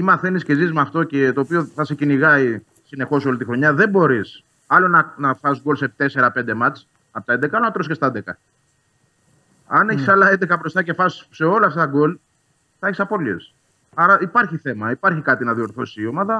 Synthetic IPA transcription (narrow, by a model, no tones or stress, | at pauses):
imɐθe̞nisce̞zizmɐft̪o̞cet̪o̞ːpioθɐseciniɣɐi | sine̞xo̞so̞lit̪ixɾo̞ɲɐðe̞mbo̞ɾis | ɐlo̞nɐnɐfɐsɡo̞lset̪e̞se̞ɾɐpe̞nd̪emɐt͡s | ɐpot̪ɐed̪ekɐɐlonɐt̪ɾos̬cest̪ɐnd̪ekɐ | ɐne̞çisɐlɐend̪ekɐbɾo̞st̪ɐce̞fɐsse̞o̞lɐft̪ɐt̪ɐɡo̞l | θɐeçisɐpo̞liḛs | ɐɾɐipɐɾçiθe̞mɐipɐɾçikɐt̪inɐðio̞ɾθosiːo̞mɐðɐ